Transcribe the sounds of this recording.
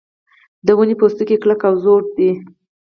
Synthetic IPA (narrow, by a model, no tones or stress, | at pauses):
d̪əwunipost̪əkekləkawzoɾd̪i